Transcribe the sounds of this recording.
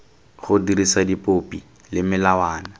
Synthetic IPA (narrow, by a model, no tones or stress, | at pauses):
χʊdiɾisadipʼopʼi | lɪmɪlawaːna